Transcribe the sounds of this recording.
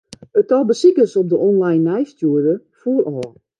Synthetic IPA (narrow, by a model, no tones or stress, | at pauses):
ətɔlˠbəsikəsop̚dəʔɔnlajnːɛjstjuədə | fuərʔɔː